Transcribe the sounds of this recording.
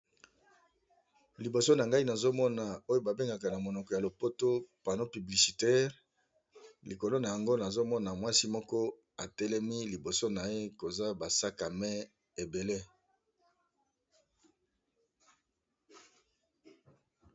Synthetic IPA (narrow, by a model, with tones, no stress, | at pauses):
li˨bo˨so˦na˨ŋɡa˦i˦na˨zo˦mɔ˦na˨o˦jo˦ba˨be˦ŋɡa˨ka˨na˨mo˨nɔ˨kɔ˨ja˨lo˨po˦to˦pa˨no˦py˨bli˨si˨tɛ˦ʁ | li˨ko˨lo˦na˨ja˨ŋɡo˦na˨zo˦mɔ˦na˨mwa˦si˦mɔ˦kɔ˦ | a˨tɛ˦lɛ˦mi˦li˨bo˨so˦na˨je˦ko˨za˦ba˨sa˦ka˨mɛ˦ | e˨be˨le˦